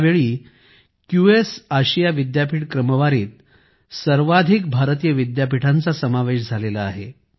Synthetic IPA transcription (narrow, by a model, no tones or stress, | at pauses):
ʋeɭiː | kjuesaɕijaʋid̪japiʈkɾəməʋaɾiːt̪̚ | səɾʋad̪ʱikbʱaɾt̪ijəʋid̪japiʈʰant͡sasəmaʋeɕ̬d͡zʱalelaːɦe